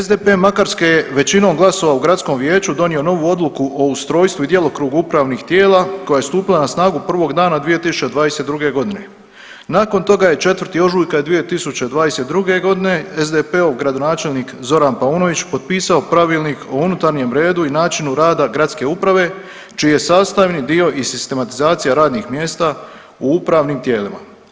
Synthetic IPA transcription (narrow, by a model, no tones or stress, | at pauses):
ezd̪epe̞makaɾskejeʋe̞t͡ɕino̞ːmɡlˠaso̞ʋauɡɾat̪sko̞mʋje̞ːt͡ɕud̪o̞nio̞no̞ʋuːo̞d̪lˠukuʔoust̪ɾo̞ːjst̪ʋuid̪je̞lo̞kɾuːɡuupɾaʋniːxt̪je̞ːlˠaːkojaje̞st̪uːpilˠanasnaːɡupr̩ʋo̞ɡd̪aːnad̪ʋije̞t̪isu̥t͡ʃe̞d̪ʋaːd̪eset̪d̪ɾuɡeɡo̞d̪ine̞̰ | naːko̞nt̪o̞ɡaje̞t͡ʃe̞t̪ʋɾ̩t̪iːo̞ʒuːjkad̪ʋije̞t̪isut͡ɕe̞d̪ʋaːd̪ese̞t̪d̪ɾuɡe̞ɡo̞d̪ine̞ezd̪epeoɡɾad̪o̞naːt͡ʃe̞lnikzo̞ɾanpauːno̞ʋit͡ɕpo̞d̪̚piːsao̞pɾaʋiːlˠniːkʰounut̪aɾɲe̞mɾe̞ːd̪uinaːt͡ʃinuɾaːd̪aɡɾat̪ske̞upɾaʋe̞ | t͡ʃiːje̞saːst̪aʋnid̪io̞ʔisist̪e̞mat̪izaːt̪sijaɾaːd̪nixmje̞ːst̪a | uupɾaːʋniːmt̪je̞ːlima̰